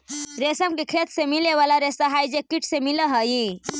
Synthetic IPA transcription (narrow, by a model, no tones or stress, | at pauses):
ɾesəmkikʰet̪ʰsemileʋalaɾesaɦajd͡ʑekːiʈsemiləɦəji